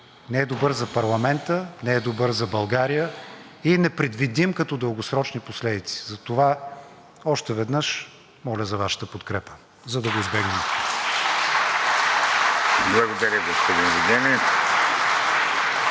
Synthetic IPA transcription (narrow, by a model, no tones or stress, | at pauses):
nɛɛd̪obɤɾzɐpɐɾlˠɐmɛnt̪ənɛɛd̪obəɾzɐbɐlˠɡaɾijə | inɛpɾɛd̪vid̪imkɐt̪ɔd̪əlˠɡosɾɔt͡ʃniposlɛd̪it̪si̥zɐt̪ova | ɔʃt̪ɛvɛd̪nəʃ | mɔlʲəzɐvaʃə̥t̪əpot̪kɾɛpə̥ | zɐd̪ɐɡoizbɛɡnɛm | blˠɐɡod̪ɐɾʲəɡospod̪invuɡ̪ʲɛni